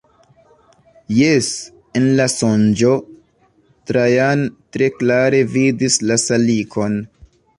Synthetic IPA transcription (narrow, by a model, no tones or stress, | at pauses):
jes | enlasond͡ʒo̞ | tɾajantɾe̞klaɾe̞vidislasalikʰo̞n